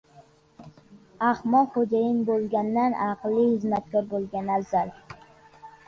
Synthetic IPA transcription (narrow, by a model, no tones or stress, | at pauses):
ahmɒlˠχod͡ʒajɪnbolˠɡʲanːanʔɑqlˠːihɪzmat̪̚kʰʲɒɾbolˠɡʲanazal